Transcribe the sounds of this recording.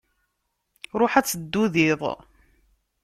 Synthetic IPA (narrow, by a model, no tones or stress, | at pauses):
ɾˤoħæt͡sːəd̪ːuðiðˤ